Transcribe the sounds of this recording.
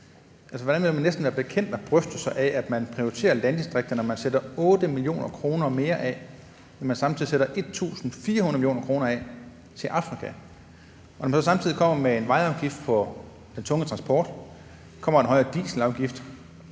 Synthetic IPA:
ʔælsɒʋɒ̥ænʋelmænːesd̥n̩ʋæːɐb̥e̝kʰen̰d̥ɒb̥ʁœfd̥̩sɑʔææd̥mænpʰʁioit͡sʰe̝̰ːɐlænd̥isd̥ʁeɡ̥̚d̥ɐnɒmænsed̥ɐɔ̽ːd̥əmilio̝̰ːnʔɐkʰʁo̝ːnɐme̝ːɐʔɛ | nɒmænsɑ̈mt͡sʰiðˠiseɾɐʔe̝d̥̚t͡sʰṵːsn̩fiːɐɦunð̩ˠmiljo̝̰ːnɐkʰʁo̝ːnɐɛ | t͡sʰe̝lʔɑ̈fʁikʰæ | ʔɒnɒmænsɒsɑ̈mt͡sʰið̰ˠikɒ̽m̰ɐmee̝nʋɑ̈ɪɒ̈ʊɡ̥ifd̥fʰɒ | d̥ent͡sʰɔ̽ŋət͡sʰʁɑnsb̥ɒːd̥ | kʰɒ̽m̰ɐenɦɒ̽ɪɐd̥ḭːslɑ̈ʊɡ̥ifd̥

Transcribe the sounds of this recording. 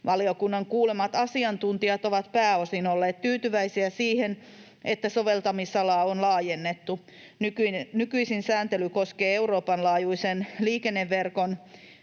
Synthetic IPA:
ʋɑliokunːɑŋkuːlemɑt̪ɑsiɑnt̪unt̪iɑt̪oʋɑt̪pæːosinolːeːt̪t̪yːt̪yʋæisiæsiːhen | ʔet̪ːæsoʋelt̪ɑmisɑlɑːonlɑːjenːet̪ːu | nykynykyisinsæːnt̪elykoskeːeuɾoːpɑnlɑːjuisenliːkenːeʋːerkon

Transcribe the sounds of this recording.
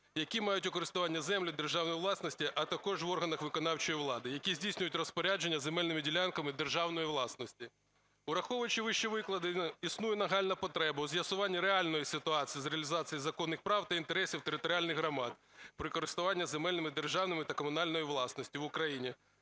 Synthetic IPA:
jɐkʲimɑjʊtʲʊkɔɾɪst̪ʊʋɑnʲːɐzɛmlʲɪd̪e̞rʒɑwnɔjiʋlˠɑsnɔsʲtʲiʔɐt̪ɐkɔʒʋɔrɦɐnɐxʋɪkɔnɑwt͡ʃɔjiʋlˠɑd̪ɪjɐkʲizʲdʲijsʲnʲʊjʊtʲrɔspɔɾʲad͡ʒenʲːɐzemɛlʲnɪmɪdʲilʲankɐmɪd̪erʒɑwnɔjiʋlˠɑsnɔsʲtʲi | ʊɾɐxɔʋʊjt͡ʃiʋɪʃt͡ʃiʋɪklˠɐd̪ɪisnujɛnɐɦɑlʲnɐpɔt̪ɾɛbɐwzʲjɐsʊʋɑnʲːiɾealʲnɔjisɪt̪ʊɑt͡sʲijizɾeɐlʲɪzɑt͡sʲijizɐkɔnːɪxpɾɑwt̪ɐint̪eɾɛsʲiwt̪eɾɪt̪ɔɾʲɪalʲnɪɣɦɾɐmɑd̪̚pɾɪkɔɾɪst̪ʊʋɑnʲːɐzemɛlʲnɪmɪd̪erʒɑwnɪmɪt̪ɐkɔmʊn̪ɑlʲnɔjiʋlˠɑsnɔsʲtʲiʋʊkɾɐjinʲi

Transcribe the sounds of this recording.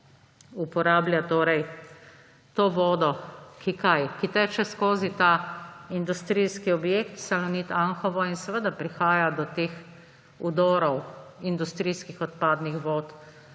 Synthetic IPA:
upɔɾaːbljat̪oːɾɛj | t̪oːʋɔːd̪ɔkikajkit̪ɛt͡ʃɛskoːzit̪aind̪ust̪ɾijskiɔbjekt̪salɔnit̪aŋxɔʋɔinsɛʋəd̪apɾixaːjad̪ɔt̪eːx | ud̪ɔːɾɔwind̪ust̪ɾiskixɔt̪paːd̪nixʋoːt̪

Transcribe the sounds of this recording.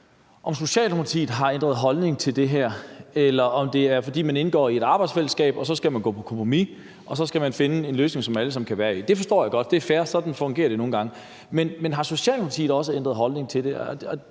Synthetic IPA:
ʔɒ̽mso̝ɕɛ̰ːlopʰɑ̈t͡sʰḭːð̩ˠɦɑ̈end̥ʁɐðˠɦɒ̽lne̝ŋt͡sʰe̝ld̥e̝ɦæɐ̰elɐʔɒ̽md̥e̝æɐfɒ̽d̥ḭːmæne̝nɡ̥ɒ̰ːie̝ɾ̥ɑ̈ːb̥ɑɪdsfel̰əsɡ̥ɛ̰ːb̥ɒ̽sɒ̽sɡ̥æmænɡɔ̰ːpʰɒ̽kʰɒ̽mpʁomi | ʔɒ̽sɒ̽sɡ̥æmænfe̝nəe̝nløːs̬ne̝ŋsɒ̽mæləsɑm̩kʰæʋæːɐid̥e̝fɒsd̥ɒ̰ːjɑ̈ɡ̥ɒ̽d̥d̥e̝æɐfæːɐsɒ̽d̥n̩fɒ̽ŋɡ̥e̝ːɐdɾe̝no̝ːn̩ɡɑ̈ŋə | menmenɦɑ̈so̝ɕɛ̰ːlnpʰɑt͡sʰḭːð̩ˠɒ̽səend̥ʁɐð̩ˠɦɒ̽lne̝ŋt͡sʰe̝lde̝ɒ

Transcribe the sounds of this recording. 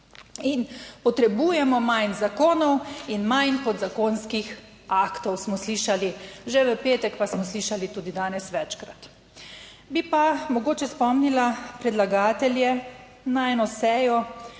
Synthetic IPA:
inpɔt̪ɾɛbuːjɛmɔmajnzakoːnɔwinmajnkɔd̪zakoːnskix | akt̪ɔwsmɔsliːʃaliʒɛʋəpeːt̪ɛkpasmɔsliʃalit̪uːd̪id̪aːnɛsʋɛt͡ʃkɾat̪ | bipamɔɡoːt͡ʃɛspɔmnilapɾɛd̪laɡaːt̪ɛljɛ | naɛːnɔsɛːjɔ

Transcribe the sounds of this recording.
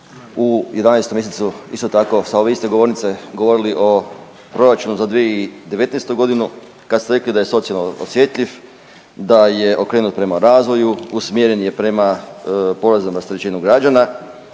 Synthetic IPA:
uje̞d̪anajst̪omje̞set̪suḭst̪ot̪ako̞sao̞ʋe̞ist̪eɡo̞ʋo̞ɾnit̪se̞ɡo̞ʋo̞ɾiliʔo̞ | pɾo̞ɾat͡ʃunuzad̪ʋijeid̪e̞ʋe̞t̪nejst̪uɡo̞d̪inu | kad̪st̪eɾe̞klid̪aje̞so̞t̪sialnoosje̞t̪lʎʲif | d̪aje̞ʔo̞kɾeːnut̪pɾe̞maɾaːzʋo̞juusmjeɾe̞nje̞pɾe̞mapo̞ɾazamast̪ɾet͡ɕinuɡɾad͡ʒana

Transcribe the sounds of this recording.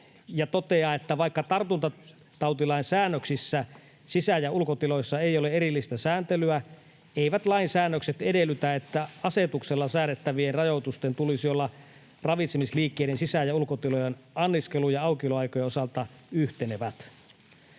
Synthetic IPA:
jɑt̪ot̪eɑet̪ːæʋɑikːɑt̪ɑrt̪unt̪ɑ | t̪ɑwt̪ilɑinsæːnːøksisːæ | sisæjæulkot̪ilojsːɑeijoleeɾilːist̪æsæːnt̪elyæ | eiʋæt̪lɑinsæːnːøkset̪edelːˑyt̪æet̪ːæɑset̪ukselːɑsæːnːet̪ːæʋienrɑjot̪ust̪ent̪ulisiolːɑ | rɑʋit̪semisliːkːeiɾensisæjæulkot̪ilojenɑnːiskelujɑɑukioloɑikojeosɑlt̪ɑ | yht̪eneʋæt̪

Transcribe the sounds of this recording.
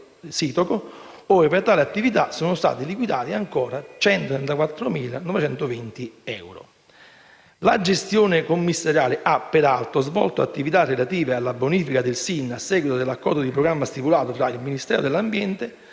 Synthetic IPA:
siːt̪oko | ɔːɾepeɾt̪aːliat̪ːivit̪asoːnʊst̪a̰ːt̪ilikwid̪aːt̪iaŋkɔːɾat͡ʃɛnt̪ot̪ɾɛnt̪akwat̪ːɾomiːlanɔvet͡ʃɛnt̪ovint̪iɛwɾo̰ | lad͡ʒest̪joːnɪkomːisːaɾjaːlɪʔapːeɾalt̪ozvɔ̰lt̪oa̰t̪ːivit̪arːelat̪iːvealːaboniːfikad̪ɪlsinːasːɛːɡwit̪od̪elːakːɔɾd̪od̪ipɾoɡɾamːast̪ipulaːt̪ot̪ɾailminist̪ɛ̰ːɾod̪elːambjɛnt̪e

